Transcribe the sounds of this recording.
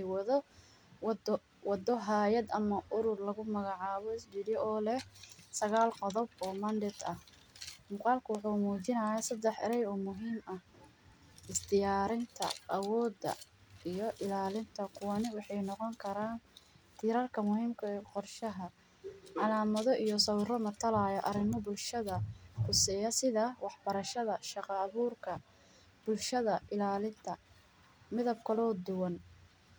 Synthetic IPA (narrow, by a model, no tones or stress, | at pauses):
ɛjwɐðɔ | wd̪ | wɑd̪ɔɦaːjɐd̪ɐmɐʔʊɾʊrlɐɣʊmɐɣɑʕɑːβɔɪsbiɾjɔʔɔːlɛhsɐɣaːlqɔðɔbɔːmɐnd̪ɪt̪ɐh | mʊqɑːlkʰɐwɑħuːmuːt͡ʃɪnɐjaːsɐd̪ɛħɛ̰ɾɛjɔːmʊɦiːmɐh | ɪsd̪ɪjaːɾɪnt̪ʰɐ̰ʔɐwɔːd̪ɐ̰ijɔʔɪlaːlɪnt̪ʰɐqʊwɑnɪwɑħɑjnɔqɔŋkʰɐɾaːn | t̪ʰiːɾɐrkʰɐmʊɦiːmkʰɐɛːqɔrʃɐɦɐ | ʕɑlaːmɐðɔʔijɔsɐwrɔmɐt̪ʰɐlajɐʔɐrɪmɔbʊlʃɐðɐħʊsɛːjɐsɪðawɑħbɐɾɐʃɐðɐʃɑqɑːβuːrkʰɐ | b̥ʊlʃɐðɐʔɪlaːlɪnt̪ʰɐ | mɪðɐb̚kʰɐlɔːd̪ʊwɐn